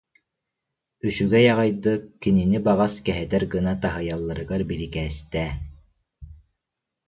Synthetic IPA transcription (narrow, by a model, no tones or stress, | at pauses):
yʃyɡɛjɑʁɯjd̪ɯkːininibɑʁɑskɛɦɛt̪ɛɾɡɯnat̪aɦɯjɑlˠːaɾɯɡaɾbilikɛːst̪ɛː